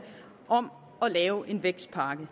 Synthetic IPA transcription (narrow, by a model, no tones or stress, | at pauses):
ʔɒ̽m | ɒ̽lɛːʊʔe̝nʋeɡ̥sd̥̚pʰɑ̈ːɡ̥ə